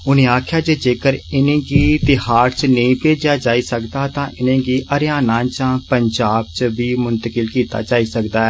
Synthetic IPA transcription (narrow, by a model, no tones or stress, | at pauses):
ʊnẽːaːkʰjaːd͡ʒeːd͡ʒeːkəɾɪnẽːɡiːt̪ɪhaːɾt͡ʃneĩːpeːd͡ʒjaːd͡ʒaːiːsəkd̪aːt̪ãːʔɪnẽːɡiːʔəɾjaːnãːt͡ʃãːpəɲd͡ʒaːb̚t͡ʃbiːmʊnt̪əkɪlkiːt̪a̰ːd͡ʒaːiːsəkd̪aːɛː